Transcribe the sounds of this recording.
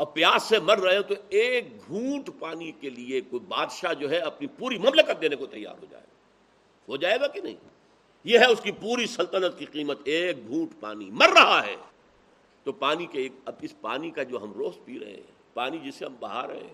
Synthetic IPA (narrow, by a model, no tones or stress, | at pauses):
ɔːpjaːsemɐɾːɐɦet̪oeːk̚ɡʱũːʈpaːnikeliekoibaːd̪ʃad͡ʒoːɦɛɐpnipuːɾimɐmləkət̪̚d̪eːnekot̪ɐjːa̰ːɾɦo̰d͡ʒa̰ːḛɡa | ɦod͡ʒaːeɡakinɐ̰ɦḭ̃ | jeɦɛʊskipuːɾisɐlt̪ənət̪̚kiqiːmət̪eːk̚ɡʱũːʈpa̰ːnimɐɾːɐɦaɦɛ̰ː | t̪opaːnikeeːkɐbɪspa̰ːnikad͡ʒoːɦɐmɾoːspiːɾɐ̰ɦḛɦɛ̃ | paːnid͡ʒɪsːeɦɐmbɐɦa̰ɾɐ̰ɦḛ̃